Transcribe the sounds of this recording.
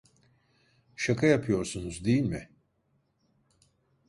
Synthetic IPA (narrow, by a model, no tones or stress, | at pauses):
ʃakʰajapʰɯjo̞ɾsunuzd̪ijilʲmɪ